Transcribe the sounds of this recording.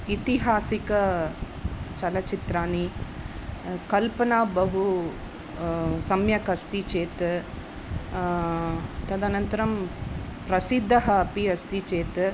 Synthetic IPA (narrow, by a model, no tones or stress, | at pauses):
it̪iɦaːsikɐ | t͡ʃɐlɐt͡ʃit̪ɾaːni | kɐlpɐnaːbɐɦu | sɐmjɐkɐst̪it͡ʃeːt̪ | t̪ɐd̪anɐnt̪ɐɾɐmpɾɐsid̪ʱːɐɦɐːpiɐst̪it͡ʃeːt̪